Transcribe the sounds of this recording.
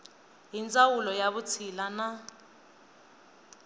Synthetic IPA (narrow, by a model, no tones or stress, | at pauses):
ɦint͡sʼawulɔjaβut͡sʰilana